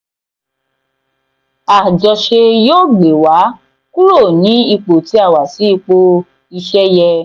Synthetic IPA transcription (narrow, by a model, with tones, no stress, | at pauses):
a˨d͡ʒɔ˨ʃe˧jo˦˨ɡ͡be˨wa˨˦ | ku˦ɾo˦˨nĩ˨˦i˧k͡po˨ti˨˦a˦˨wa˨si˨˦˧k͡po˦ | i˧ʃɛ˦jɛ˧